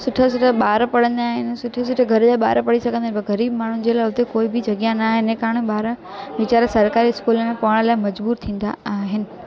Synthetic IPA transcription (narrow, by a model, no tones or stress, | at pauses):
sʊʈʰəsʊʈʰəɓaːɾpɐɽə̃nd̪aaːɦɪnsʊʈʰes̬ʊʈʰeɡʱɐɾd͡ʑaːɓa̰ːɾpɐɽisɐɡʱə̃nd̪aːbɐɣɐɾiːbmaːɳ̤ũd͡ʑeːlaːɦʊt̪ekoːɪbɪd͡ʑɐɡjãnaːɦɪnẽkaːɳ̃eɓaːɾ | ʋɪt͡ɕaːɾsɐɾkaːɾiɪskuːlmẽpɐʋəɽ̃laːɪmɐd͡ʑbuːɾt̪ʰĩːn̆d̪a̰aːɦɪnɪ̆